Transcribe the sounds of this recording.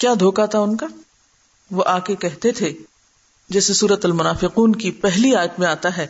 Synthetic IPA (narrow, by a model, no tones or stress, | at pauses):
kjaːd̪ʱoːkat̪aʊnka | ʋoʔaːkekɛɦt̪et̪ʰe | d͡ʒɛːsesuːɾət̪ɐlmʊnaːfɪquːnkipɛɦliaːjət̪mẽaːt̪aɦɛː